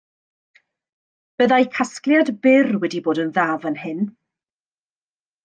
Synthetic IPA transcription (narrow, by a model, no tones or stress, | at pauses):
b̥əðajkʰasklˠjadbɪrwɛdiboːdənðaːvənhɪn